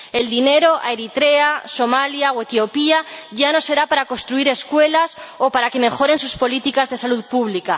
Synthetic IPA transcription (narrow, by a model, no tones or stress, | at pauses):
e̞ld̪ine̞ɾo̞ʔa̰eɾit̪ɾe̞aso̞maljaoe̞t̪jo̞piaʝano̞se̞ɾapaɾakost̪ɾuiɾe̞skwe̞lasopaɾake̞me̞xo̞ɾe̞nsuspo̞lit̪ikazðe̞saluðpuβ̞lika